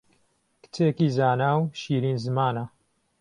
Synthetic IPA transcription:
kɨ̥t͡seːkiːzaːnaːwʃiːɾiːnzɨmaːnɐ

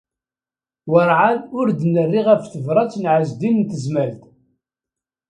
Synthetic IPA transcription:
wəɾˤʕaðʊɾd̪nərːiʁæfθəvɾˤɑt͡sːnʕəzd̪innt̪əzmælt̪

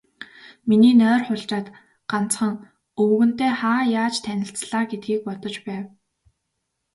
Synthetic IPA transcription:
miniːnœːrχʊɮt͡ɕaːt̪ | ɢ̥an̥t͡sχə̆ŋ | ɵwɣɵ̆nt̪eːχaːjaːt͡ɕt̪ʰænʲɪ̆ɬt͡sɮaːɡet̪̚ɡiːk̚pɔt̪ɞ̆t͡ɕpæːw

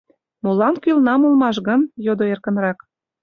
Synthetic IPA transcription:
molɑnkylnɑmolmɑʃɣənjod̪oerkə̆nrɑk

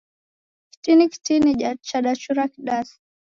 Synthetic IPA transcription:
ki̥tiniki̥tiniat͡ʃaɗat͡ʃuɾakiɗasi̥

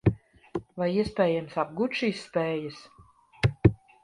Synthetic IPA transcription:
vajiɛspʲɛːjamsab̚ɡuːt̪ʃiːsːpɛːjas

